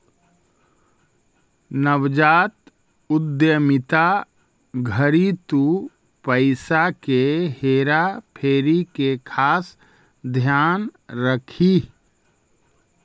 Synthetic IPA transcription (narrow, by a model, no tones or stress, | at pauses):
nəwd͡ʒaːt̪̚ | ʊd̪jəmɪt̪a | ɡʱəɾit̪u | pəɪsakeheːɾapʰeːɾikekʰaːs | d̪ʱjaːnɾəkʰi